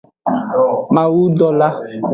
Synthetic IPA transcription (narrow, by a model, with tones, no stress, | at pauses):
mã˨wu˦dɔ˨la˦